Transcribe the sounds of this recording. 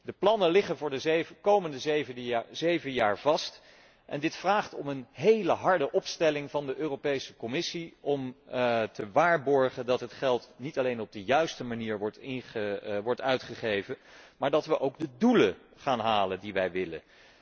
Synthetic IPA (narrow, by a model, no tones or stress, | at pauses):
dəplɑnəlɪχənvʊːɹdəkowməndəzvzejvəjaːɹvɑst | ʔɛ̰ndɪtfraːχtɔmənɦejləɦɑɹdəʔɔpstɛlɪŋvɑndəʔøːrowpejsəkɔmɪsiɔmtəʋaːɹbɔɹχəndɑtɦətχɛlˠtnitɑlejnɔb̚dəjœɥstəmaniːɹʋɔɹtɪnχəʋɔɹtœɥtχəχejvəmaːɹdɑtʋəʔowɡdəduləχaːnɦaːləndiʋɛjʋɪlə̰n